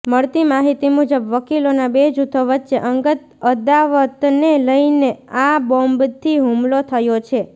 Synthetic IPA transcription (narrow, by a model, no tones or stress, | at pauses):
məɭt̪imaɦit̪imud͡ʒəbʋəkilonabed͡ʒut̪ʰəʋətːʃeʔəŋɡət̪̚ | əd̪aʋət̪neləjneabɔmbt̪ʰiɦumlot̪ʰəjot͡ʃʰe